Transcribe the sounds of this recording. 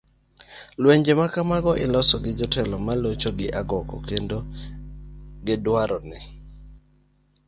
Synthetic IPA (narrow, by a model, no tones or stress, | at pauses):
lweɲd͡ʒemakamaɡɔʔɪlɔsɔɡɪd͡ʒɔtɛlɔmalot͡ʃoɡɪʔaɡɔkɔ̰kendo | ɡɪdwaɾɔnɪ